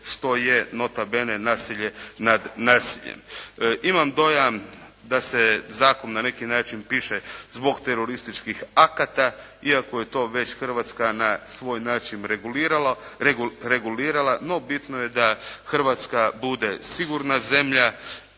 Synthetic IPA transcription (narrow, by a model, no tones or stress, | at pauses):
ʃt̪o̞jeno̞t̪abene̞naːsiʎe̞nad̪naːsiʎḛmʔimamd̪o̞jamd̪ase̞zaːkonnane̞kinaːt͡ʃinpiʃezbo̞ɡt̪eɾo̞ɾist̪it͡ʃkixakat̪aiako̞je̞t̪o̞ːʋe̞t͡ɕxr̩ʋaːt̪skanasʋo̞ːjnaːt͡ʃinɾeɡulɾa | ɾe̞ɡuliːɾalˠano̞bit̪no̞je̞d̪axrʋat̪skabud̪e̞siɡuɾnaze̞mʎa